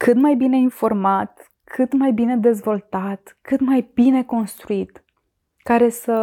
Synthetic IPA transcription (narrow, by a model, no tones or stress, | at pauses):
kɨt̪majbine̞info̞rmat̪ | kʰɨt̪majbine̞d̪e̞zvo̞lt̪at̪kɨt̪majb̥ine̞ko̞nst̪ɾuit̪ | kaɾe̞sə